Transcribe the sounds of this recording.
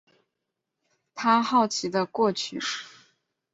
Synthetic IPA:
t̪ʰa˥xɑ˥˩ʊt͡ɕʰi˧˥d̪ə˧kwɔ˥˩t͡ɕʰy˥˩

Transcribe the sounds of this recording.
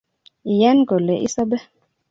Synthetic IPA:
i˨jɛ˦nɡo˨lɛ˨ʔḭ˦sa˦bɛ˦

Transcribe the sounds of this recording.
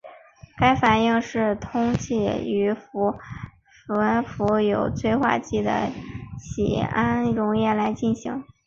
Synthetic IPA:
ka˥ɪfa˨˩ni˥˧ŋʂɻ̩˥˩t̪ʰʊ˥ŋt͡ɕi˥˩y˧˥fu˧˥ | fnfu˧˥jo˨˩ʊt͡swe˥˧ɪxwa̰˥˧t͡ɕi˥˩d̪ə̰˩ɕḭ˨˩a˥nɻʊ˧˥ŋjɛ˥˩la˧˥ɪt͡ɕi˥˩nɕi˧˥ŋ

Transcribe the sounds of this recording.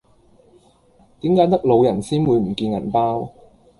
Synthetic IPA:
t̪iː˨˥mkaː˨˥jt̪ɐ˥k̚lo˨˧wjɐ˨˩nsiː˥nwu˨˧jm̩˨˩kiː˧njɐ̰˨˩npaː˥w

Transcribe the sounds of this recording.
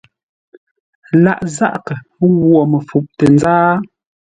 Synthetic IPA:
la˦˨ʔza˦ʔkə˨ | ɣwɔ˨mə˨fu˨p̚tə˨nzaː˦

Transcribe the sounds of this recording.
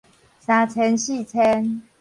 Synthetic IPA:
sa˧˩t͡sʰɛ˦nɕi˥˧˨t͡sʰɛ˦n

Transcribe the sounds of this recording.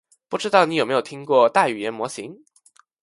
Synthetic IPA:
pu˥˩ʈ͡ʂɻ̩˥t̪ɑ˥˩ʊni˧˥jo˨˩m˧˥jo˨˩t̪ʰi˥ŋkwɔ˥˧t̪a˥˩y˨˩jɛ˧˥nmwɔ˧˥ɕi˧˥ŋ

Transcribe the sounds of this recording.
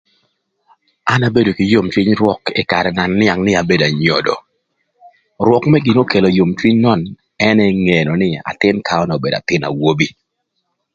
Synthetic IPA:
a˦na˦be˦do˨kɪ˨jo˦mt͡ʃwi˦ɲɾwɔ˦kɪ˦˨ka˨ɾɛ˨na˨nːɪ˦a˨ŋnɪ˦a˨be˦da˨ɲɔ̰˨dɔ̰˨ | rwɔ˨kmɛ˦ɡi˨no˦ke˨lo˨jo˨mt͡ʃwi˦ɲnɔ˦˨n | ɛ˦nɛ˦ŋe˨no˨nɪ˦a̰˨tɪ˦nkʰa˦ɔ˦nɛ˨o˨be˨da̰˨tɪ˦na̰˨wo˦bi˦

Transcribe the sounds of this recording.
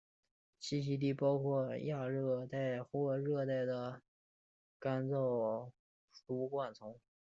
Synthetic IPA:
ɕi˥ɕi˧˥t̪̬i˥˩pɑ˥ʊkʰwɔ˥˧˩ja˥˧ɻɤ˥˧˩t̪a˥˩ɪxwɔ˥˩ɻɤ˥˧t̪a˥˩ɪd̪ə˩ | ka˥nt͡so˥˩ʊ | t̪u˧˥kwa˥˩nt͡sʰʊ˧˥ŋ

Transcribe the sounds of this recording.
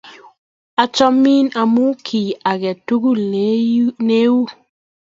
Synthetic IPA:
a˨t͡ʃɔ˦mi˦na˨mu˦kʰi˨a˨ɡɛ˨tu˦ɡu˦˨l | ne˦u˦

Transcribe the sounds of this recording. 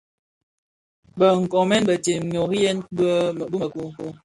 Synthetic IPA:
bə˨ŋ̩˨kɔ˨mɛ˦nbə˨te˨m˨ɲo˨ki˦jɛ˦n˦˨bu˦˨ku˦˨ku˦

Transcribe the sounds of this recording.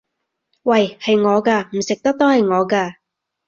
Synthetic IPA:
wɐ˨jhɐ˨jŋɔː˨˧kaː˧m̩˨˩sɪ˨k̚t̪ɐ˥k̚t̪o˥hɐ˨jŋɔː˨˧kaː˧

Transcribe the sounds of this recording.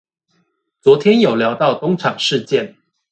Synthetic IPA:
t͡swɔ˧˥t̪ʰjɛ˦njo˨˩ʊljɑ˧˥ʊt̪ɑ˥˨ʊt̪ʊ˥ŋʈ͡ʂʰɑ˨˩ŋʂɻ̩˥˧t͡ɕjɛ˥˨n

